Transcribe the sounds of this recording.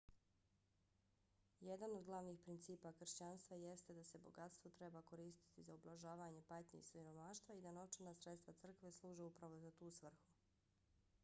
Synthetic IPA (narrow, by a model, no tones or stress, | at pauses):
jed̪anod̪ɡlˠaʋniːxpɾint̪siːpakr̩ʃt͡ɕanst̪ʋaje̞st̪ed̪ase̞bo̞̰ɡat̪st̪vot̪ɾebako̞ɾiːst̪i̥t̪izaublˠaʒaːʋaɲe̞pat̪ɲe̞̰ḭsʋiɾo̞maʃt̪ʋaid̪anot͡ʃenasɾet̪st̪ʋat̪r̩kʋe̞slˠuːʒeupɾaʋo̞zat̪uːsʋr̩xu